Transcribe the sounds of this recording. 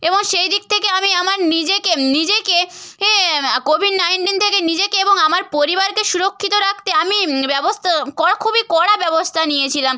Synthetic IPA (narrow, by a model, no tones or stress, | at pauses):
eboŋʃejd̪ik̚t̪ʰekeamiamaɾnid͡ʑekenid͡ʑekeekobʱiɖnajɳʈint̪ʰekenid͡ʑekeeboŋamaɾpoɾibaɾkeʃuɾokʰːit̪oɾakʰt̪eamibɛbost̪ʰakɔakʰubikɔɽabɛbost̪ʰanijet͡ɕʰilam